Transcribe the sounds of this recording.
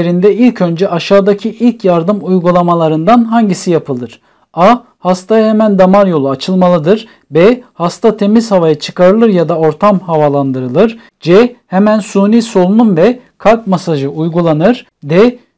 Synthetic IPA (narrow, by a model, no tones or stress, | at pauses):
eɾind̪ɛilʲcʰø̞nd͡ʒɛʔaʃaːd̪acʰiʔilʲcʰjaɾd̪ɯmujɡulˠamalˠaɾɯnd̪anɦaɲɟisijapʰɯlˠɯɾ̥ | a | hast̪ʰajahemænd̪amaɾjo̞lˠuat͡ʃʰɯlˠmalˠɯd̪ɯɾ | bɛhast̪ʰat̪ʰe̞miz̥havajat͡ʃʰɯ̥kaɾɯlˠɯɾjad̪ao̞ɾt̪ʰamhavalˠand̪ɯɾɯlˠɯɾ̥ | d͡ʒɛhemænsuːniːso̞lˠununvɛkʰalkmasaʒɯujɡulˠanɯɾ̥ | d̪ɛ